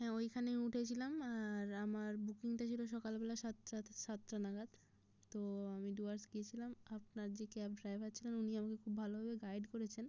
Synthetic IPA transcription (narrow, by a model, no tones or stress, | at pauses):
ɦɛ̃ojkʰaneuʈʰet͡ɕʰilamaɾamaɾbukiŋʈat͡ɕʰiloʃ̬ɔkalbɛlaʃat̪ːɾaʃat̪ːɾanaɡad̪ | t̪oamiɖuaɾsɡiet͡ɕʰilamap̚naɾd͡ʑekɛp̚ɖɾajbʱatːɕʰilenuniamakekʰubːʱalobabeɡajɖkoɾet͡ɕʰen